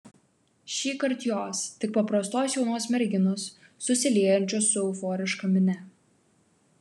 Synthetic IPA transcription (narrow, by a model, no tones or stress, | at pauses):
ʃʲiːkɐɾʲt̪ʲjoːst̪ʲɪk̚pɐpɾɐst̪oːsjɛʊnoːsmʲɛɾʲɡʲɪnʊsː | ʊsʲɪlʲeːjɛnʲt͡ʃʲosːʊʊfɔːɾʲɪʃkɐmʲɪnʲɛ